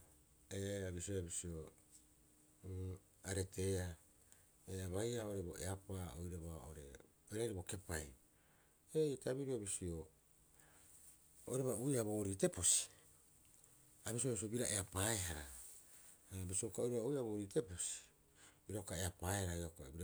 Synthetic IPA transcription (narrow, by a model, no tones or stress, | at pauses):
eabisioabisio̞ | aɾe̞tʰe̞a | eaβajaoɾe̞bo̰ʔeapao̰jɾaβao̰ɾe̞̰ | ojɾajɾibo̞ke̞paj | ejtaβiɾiobisio | o̰jɾaβaojɾaboɾite̞po̞si̥ | abis̬iobis̬iobiɾaʔe̞apaeɦaɾa | bisiokaojɾeβaojɾaboɾite̞po̞si̥ | biɾaokae̞apaehaɾaiokabiɾa